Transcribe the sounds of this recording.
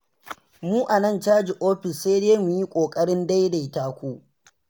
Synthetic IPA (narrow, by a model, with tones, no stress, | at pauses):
muː˦ʔa˨nɐ˦˨nt͡ʃaː˦d͡ʒi˨ʔoː˦ɸɪ˨sːa˦jdeː˦mʊ˨ji˦kʷʼoː˨kʼɐ˦ɽɪ˦nda˦jda˨taː˦kʷuː˦ʔ